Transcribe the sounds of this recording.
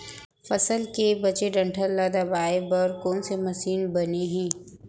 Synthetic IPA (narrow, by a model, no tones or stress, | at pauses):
fɐsəlkebɐt͡ʃeɖɐ̃ɳʈʰəlːaːd̪abaːebɐɾkɔːnsemɐsiːnbɐneɦɛ̃ː